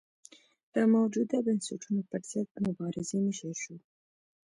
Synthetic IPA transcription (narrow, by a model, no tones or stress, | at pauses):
d̪̥əmawd͡ʒud̪abɪnsɪʈunopəɾz̥əd̪̚mʊbɑɾɪzenɪʃaʃu